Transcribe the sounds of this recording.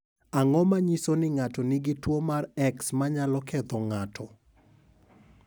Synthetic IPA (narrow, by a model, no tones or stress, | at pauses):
aŋɔmaɲisonɪŋatɔniɡɪtwomarɛksmaɲalɔkɛt̪ɔŋatʰɔ